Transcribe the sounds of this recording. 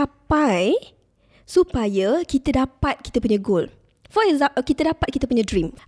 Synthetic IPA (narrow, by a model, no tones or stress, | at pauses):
apaj | supajəkit̪adapat̪̚kit̪apuɲãɡol | fɔɛkzãkit̪adapat̪̚kit̪apuɲãdɾim